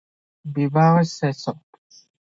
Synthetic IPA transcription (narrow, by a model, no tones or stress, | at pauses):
bibaɣɛsɛsɔ